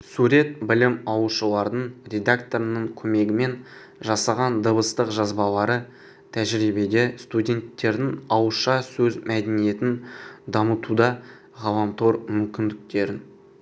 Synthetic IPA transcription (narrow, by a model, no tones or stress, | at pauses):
suɾe̞t̪̚bɪlɪmɑwəʃəlˠɑɾd̪əɴɾʲe̞d̪akt̪o̞ɾənəɴkʲʰɵme̞ɡʲɪme̞n | ʒɑsɑʁɑnd̪əbəst̪əqʒɑzbɑlˠɑɾə | t̪ʰæʒɾibed̪est̪udʲe̞nt̪ːe̞ɾd̪ɪŋɑwəʃɑsɵzmæd̪enije̞t̪ɪnd̪ɑmət̪ud̪ɑ | ʁɑlˠɑmt̪ʰoɾmʏmkʲɪnd̪ɪk̚t̪e̞ɾɪn